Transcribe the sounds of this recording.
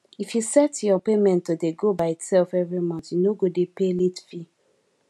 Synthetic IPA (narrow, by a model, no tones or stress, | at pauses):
ifjusɛtjɔpemɛ̃ntːodeɡobaɪitsɛlfɛvɹimãntjunoɡodepelitfi